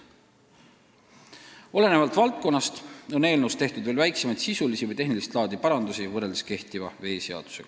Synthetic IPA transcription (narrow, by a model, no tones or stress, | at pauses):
o̞le̞ne̞vɑlt̪ˑvɑlt̪̚ko̞nːɑst̪o̞ne̞ːlnust̪eht̪ud̪veːlvæjkse̞mɑjd̪̥sisulisivɤjt̪e̞ɦnilist̪lɑːd̪ipɑɾɑnd̪usivɤrːe̞ld̪eske̞ht̪ivɑve̞ːse̞ɑ̰d̪̥u̥se̞ɡ̥ɑ